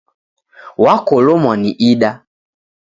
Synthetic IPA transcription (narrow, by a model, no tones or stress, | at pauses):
wakɔlɔmwaniʔiɗa